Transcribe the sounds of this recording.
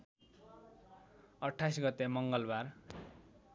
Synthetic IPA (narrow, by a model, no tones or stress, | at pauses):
ʌʈʰːajsɡʌt̪emʌŋɡʌlbar